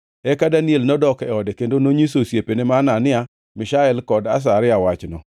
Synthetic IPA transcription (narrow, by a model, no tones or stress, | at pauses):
ɛkadanielnɔdɔkɛɔdekendonoɲisosjepenemananɪa | mɪʃaɛlkɔdas̬aɾɪawat͡ʃnɔ